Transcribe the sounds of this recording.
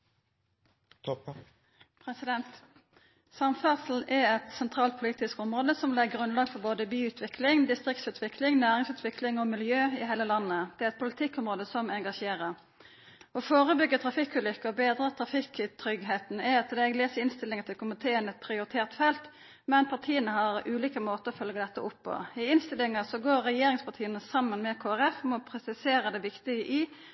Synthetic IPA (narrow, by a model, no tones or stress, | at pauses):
pʰʁɛsɪd̪ɛnt̪ | sɑmfæsl̩ʔɛɛt̪sɛnt̪ʰʁɑːlt̪̚pʰʊliːt̪ɪskɔmʁoːd̪əsɔmlɛɡɡʁʉnlɑːɡfɔʁboːd̪əbyːʉːt̪ʰʋɪklɪŋd̪ɪst̪ʁɪk̚t̪sʉːt̪ʋɪklɪŋnæːʁɪŋsʉːt̪ʰʋɪkʰlɪŋɔmɪljøːɪɦeːləlɑnːəd̪̥ɛæʁɛt̪̚pʰʊlɪt̪ʰɪkːɔmʁoːd̪əsɔmɛŋɡɑʃeːʁəʁ | ɔfoːʁəbʏɡːət̪ʰɾɑfɪkːʉːlʏkːəɔbeːd̪ʁət̪ʰʁɑfɪkːɪt̪ʰɾʏɡɦeːt̪n̩ɛɑt̪ʰːɪd̪ɛɛɡleːsəɪnst̪ɪlːɪŋət̪ʰɪlkʰʊmɪt̪ʰeːənɛt̪̚pʰɾɪʊɾɪt̪ʰeːʁt̪fɛlt̪ | mɛnpʰɑʁt̪ʰiːənəhɑʁʉːliːkəmoːt̪əɾɔfœlɡəd̪ɛt̪ːəʔʊpːɔ̰ɪɪnst̪ɪlɪŋəsɔɡoːɾːɛjeːɾɪŋspɑʁt̪ʰiːənəsɑmːənmɛkʰoːæʁɛfmɛɔpʰɾɛsɪseːɾəd̪ɛʋɪkt̪ɪɡəʔɪ